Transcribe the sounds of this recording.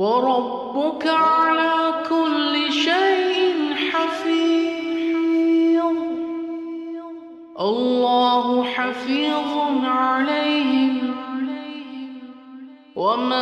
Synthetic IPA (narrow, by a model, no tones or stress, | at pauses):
wɑɾˤɑbːʊkaʕalaːkʊlːɪʃajʔɪnħafiː | ʔɑlːɑːɦʊħafiːðˤnʕalajɦɪm | wʔama